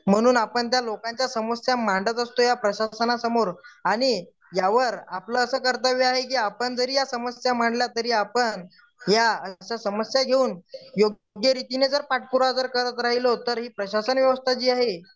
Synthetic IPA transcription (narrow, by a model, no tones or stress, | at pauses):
m̤əɽ̃uːnapəɳt̪̬jalokãɲt͡ɕjasəməsjamaɳɖət̪əst̪ojapɾəɕasənasəmoɾaɽ̃i | jaʋəɾapləːsəːkəɾt̪əʋiaɦek̬iːapəɳd͡zəɾiːjasəməsjam̤aɳɖljat̪əɾiːapəɳ | jaəɕasəməsjaɡʱeuːnjoɡ | ɡjəɾit̪ined͡zəɾpaʈ̚puɾoad͡zəɾkəɾət̪ɾaɦilot̪əɾɦiːpɾəɕasənʋjəʋəst̪ʰat͡ɕiːaɦe